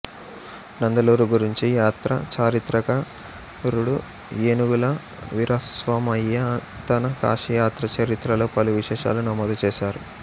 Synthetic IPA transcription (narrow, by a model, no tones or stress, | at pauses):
nɐnd̪ɐluːɾuɡuɾiɲt͡ʃijaːt̪ɾɐt͡ʃaːɾit̪ɾɐkɐ | ɾuɽu | eːnuɡulɐ | ʋiɾʔɐsʋɐmɐjːɐ | t̪ɐnɐka̰ːʂijaːt̪ɾɐt͡ʃɐɾit̪ɾɐloːpɐluʋiʂɛːʂa̰ːlunɐmɔːd̪ɐt͡ʃɛːʃaːɾu